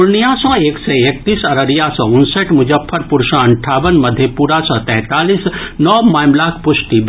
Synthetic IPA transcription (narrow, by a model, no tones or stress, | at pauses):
ʊlnijãsɔ̃ːeːkseeːk̚t̪iːsɐɾəɾjasɔ̃ʊnsəʈmʊd͡ʒəfʰːəɾpʊɾʃãɐɳʈʰaːʋənmɐd̪ʱːjepuːɾasɔ̃ːt̪ɛ̃ɦt̪aːliːsnɔːmaːmlaːkʰpʊʃʈi